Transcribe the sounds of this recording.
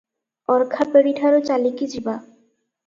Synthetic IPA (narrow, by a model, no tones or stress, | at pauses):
ɔɾkʰapeɾiʈʰaɾot͡ɕalikid͡ʑiba